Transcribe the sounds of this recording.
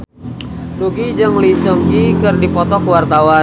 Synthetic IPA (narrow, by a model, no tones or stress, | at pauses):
nuɡid͡ʒəŋlisəŋɡikɨrdipɔt̪ɔkwart̪awa